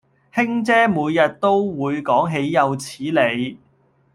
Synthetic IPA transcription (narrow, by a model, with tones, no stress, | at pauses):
hɪ˥ŋt͡sɛː˥muː˨˧jjɐ˨t̚t̪o˥wwuː˨˧jkɔː˨˥ŋɦe˨˧jːɐ˨˧wt͡sʰiː˨˥le˨˧j